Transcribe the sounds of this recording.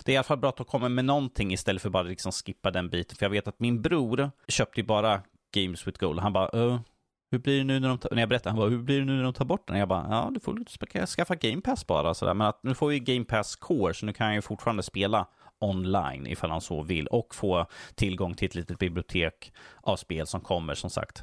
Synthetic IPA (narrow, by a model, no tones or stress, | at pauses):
d̪̥ɛæɾɪalafalbɾɑːt̪ɔkʰɔmːamɛnɔnt̪ʰɪŋːɪst̪ɛlːətfœɾbɑːɾalɪksɔmskɪpːad̪ɛnbiːt̪ənfœɾjɑaɡveːt̪at̪mɪnbɾuːɾɕøːp̚t̪əjɵbɑːɾa | ɡ̥ɛɪmswɪt̪ɡolɦanbɑːʔɔ | hɵblɪɖɛnʉ̟ːnæɖɔmt̪ʰnæɛjabɛɾɛt̪ːaɾhanbɑːhɵblɪɖɛnʉːnæɖɔmt̪ʰɑːɾbɔʈ̚ːd̪ɛ̰njabɑ̰jɑ̰ːd̪ɵfɔ̰kʰskafːaɡɛɪmpʰæsbɑ̰ːɾasɔd̪æ̰ːɾmɛnat̪̚nʉ̟ːfoɾvɪjəɡɛɪmpʰæskʰoːɾʂɔnʉ̟ːkʰanhanjɵfʊʈːfɑːɾand̪əspeːla | ɔnla̰jnʔɪ̰falhansɔ̰vɪ̰lːɔkːfoːt̪ʰɪlɡɔŋːt̪ʰɪlɛt̪liːt̪ət̪̚bɪblɪʊt̪ʰeːkʔavspeːlsɔmkʰɔmːə̰ʂɔmsa̰kt̪